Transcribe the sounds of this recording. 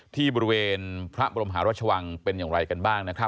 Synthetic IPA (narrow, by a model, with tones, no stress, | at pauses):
t̪ʰiː˥˩bɔː˧ɾi˦˥weː˧npʰɾa˦˥ʔbaː˧o˧mɦaː˩˦ɾa˦˥t͡ɕʰa˧wa˧ŋpe˧njaː˨˩ŋɾa˧jka˧nbaː˥˩ŋna˦˥kʰɾa˦˥